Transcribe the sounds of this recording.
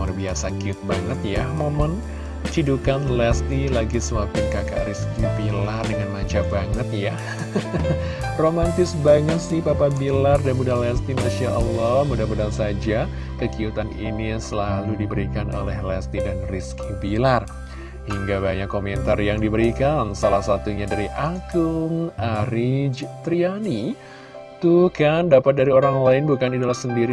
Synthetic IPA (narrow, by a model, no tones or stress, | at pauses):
arbiasakiʊt̪̚baŋət̪̚jamomʊn | t͡ʃidukanlɛst̪ilaɡisəmapɪnkaka̰ʔriskibilardəŋanmat͡ʃabaŋət̪̚ja | romant̪ɪsbaŋət̪sɪhpapabilardanmudalɛst̪imaʃaʔɔlːɔhmudahmudansad͡ʒa | kəkiut̪aninisəlaludibəɾikano̰lɛhlɛst̪idanriskʰibilar | hiŋɡabaɲakːomɛnt̪arjaŋdibəɾikansalahsat̪uɲadaɾiʔaɡʊŋʔaɾid͡ʒt̪ɾiani | t̪ukandapat̪̚daɾioɾaŋlaɪnbukanidalahsəndiɾi